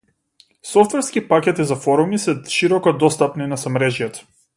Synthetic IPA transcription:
sɔft̪vɛɾskipakʲɛt̪izafɔɾumisɛʃiɾɔkɔd̪ɔst̪apninasamɾɛʒjat̪

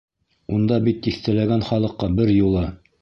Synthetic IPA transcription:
und̪ɑbit̪ːiθt̪ælæɡænχɑlˠɤ̆qːɑbɘɾjulˠɤ

